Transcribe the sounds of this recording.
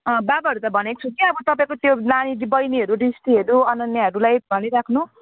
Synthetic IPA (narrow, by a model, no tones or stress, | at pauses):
ʌbabaɦʌɾut̪ʌbʱʌnek̚t͡sʰukiʌbʌt̪ʌpaĩkot̪jonanibʌjniɦʌɾuɖisʈiɦʌɾuʌnʌnjaɦʌɾulajbʱʌniɾakʰnu